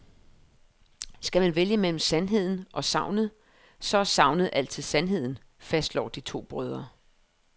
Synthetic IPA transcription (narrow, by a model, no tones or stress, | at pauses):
sɡ̥æmænʋeljəmel̰m̩sænɦe̝ð̞̰ˠn̩ʔɒ̽sɑ̈ʊ̰nəð̩ˠ | sɒ̽æɐsɑ̈ʊ̰nəð̩ˠʔæl̰̥t͡sʰið̩̰ˠsænɦe̝ð̞̰ˠn̩ | fæsd̥lɒ̰ːd̥it͡sʰo̝̰ːb̥ʁœːð̞ˠɐ